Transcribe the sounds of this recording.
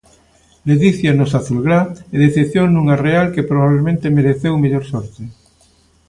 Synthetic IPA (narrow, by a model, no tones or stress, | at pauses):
leðiθjanosaθulɣɾaeðeθepθjoŋnũŋarealkepɾoβaβlemẽnt̪emeɾeθewmeʎoɾsoɾt̪e